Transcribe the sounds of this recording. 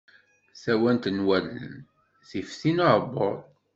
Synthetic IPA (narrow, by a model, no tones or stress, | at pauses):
sæwænt̪nwælə̰n | θifθinaʕbo̰d